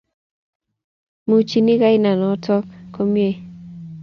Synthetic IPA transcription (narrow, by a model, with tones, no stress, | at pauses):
mu˨t͡ʃi˦ni˦ka˦ɪ˦na˨nɔ˨˦tɔ˦kːo˦mje˦